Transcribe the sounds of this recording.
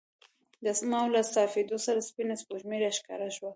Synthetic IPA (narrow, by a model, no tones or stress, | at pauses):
d̪əsmɑwlasɑfed̪osaɾaspinaspoʒmeɾaʃkɑ̰ɾaʃwa